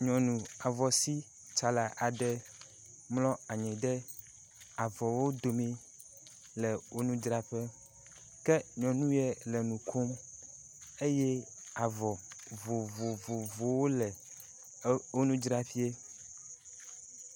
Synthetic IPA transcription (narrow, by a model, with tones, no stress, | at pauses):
ɲɔ̃˨nũ˨a˨vɔ˨si˦ | t͡ʃa˨la˨ʔa˨ɖɛ˦ | mlɔ̃˦a˨ɲɛ̃˨ɖɛ˦ | a˨vɔ˨wo˦d̪o˨mĩ˦ | lɛ˨wo˦nũ˦d͡ʒɾa˦ɸɛ˦ | kɛ˦ɲɔ̃˨nũ˦jɛ˦lɛ˨nũ˨kʰo˦m | e˦jɛ˦a˨vɔ˨vo˨vo˨vo˨vo˨wo˦lɛ˨ | o˦nũ˦d͡ʒɾa˦fi˦e˦